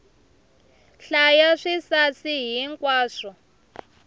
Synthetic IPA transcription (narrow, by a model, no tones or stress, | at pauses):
ɬajaʂisasiɦiŋkʼwaːʂɔ